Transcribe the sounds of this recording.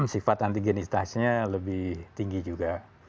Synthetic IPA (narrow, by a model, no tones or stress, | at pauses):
msifat̪ant̪iɡonist̪asɲaləbɪht̪iŋɡid͡ʒuɡa